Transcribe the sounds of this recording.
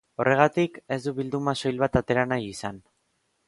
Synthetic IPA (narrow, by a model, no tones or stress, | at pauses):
o̞re̞ɣ̞at̪ike̞zd̪uβild̪umaso̞jlβat̪at̪e̞ɾanajisan